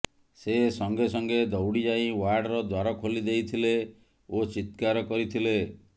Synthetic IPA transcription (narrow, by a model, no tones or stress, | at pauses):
sesɔŋɡesɔŋɡed̪ɔwɽid͡ʒaĩwaɾɖɾɔd̪waɾɔkʰolid̪ejt̪ʰile | ot͡ʃit̪kaɾɔkɔɾit̪ʰile